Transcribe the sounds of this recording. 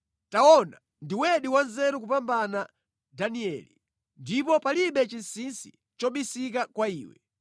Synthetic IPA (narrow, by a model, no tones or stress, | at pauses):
taɔna | ndiwɛɗiwanzɛɾuk̬upambana | daniɛ̰li | ndipɔpaliɓɛt͡ʃinsinsi | t͡ʃɔɓisikakwaiːwɛ̰